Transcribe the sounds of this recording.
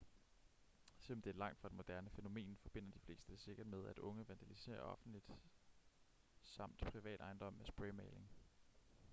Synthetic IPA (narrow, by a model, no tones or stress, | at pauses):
selɒ̽md̥e̝æɐlɑ̈ŋ̰d̥fʁɑ̥̈enmo̝d̥æɐnəfeno̝me̝̰ːnfɒ̽b̥e̝n̰ɐd̥ifle̝̰ːsd̥ə̥se̝ɡ̥ɐd̥með̞ˠæd̥ɔ̽ŋəʋænd̥ælise̝̰ːɐ̰ɒ̽fn̩lid̥ | sɑ̈m̰d̥pʰʁiʋɛ̰ːd̥ɑ̈ɪnd̥ɒ̽mæsb̥ʁɛmeːle̝ŋ